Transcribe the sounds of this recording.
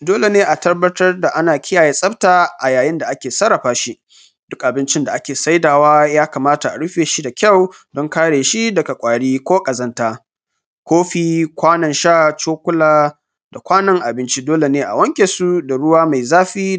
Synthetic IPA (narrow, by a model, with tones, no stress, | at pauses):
doː˦le˨neː˦ʔa˨tɐ˦rbɐ˦tɐ˦rda˨ʔa˦naː˨kʲʰɪ˦jaː˨jeː˦sʼɐ˦btaː˨ʔa˨jaː˨jɪ˦nda˨ʔa˦kʲeː˨sɐ˦ɽɐ˨ɸaː˦ʃi˦ | d̥ʊ˦kʔa˨bɪ˦nt͡ʃɪ˦nda˨ʔa˦kʲeː˨sa˦jdaː˨waː˦jaː˦kaː˨maː˦ta˨ʔa̰˨ɽʊ˦ɸeː˨ʃi˦da˨kʲɐ˦˨w | dɔ˦ŋkaː˦ɽeː˨ʃi˦dɐ˨ka˨kʷʼaː˨ɽiː˦kʷoː˦kʼɐ˨zɐ˦ntaː˦ | kʷoː˦ɸiː˨kʷaː˦nɐ˨nʃaː˦˨t͡ʃoː˦kʷʊ˦laː˦ | da˨kʷaː˦nɐ˦ŋʔa˨bɪ˦nt͡ʃi˦doː˦le˨neː˦ʔa̰˨wɐ˦ŋkʲʼe˨su˦da˨ɽʊ˦waː˦ma˨jzaː˦ɸiː˦